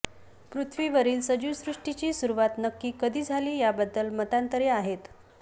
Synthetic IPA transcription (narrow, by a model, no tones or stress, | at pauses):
pɾut̪ʰʋiːʋəɾiːlsəd͡ʑusɾuʂʈit͡ɕiːsuɾuʋat̪nəkːiːkəd̪ʱiːd͡zʱaliːjabəd̪ːəlmət̪ant̪əɾeaɦet̪